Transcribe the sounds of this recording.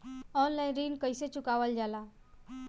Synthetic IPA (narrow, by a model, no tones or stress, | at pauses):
ɔnlajnɾiːlkəjset͡ʃukaʋəld͡ʒala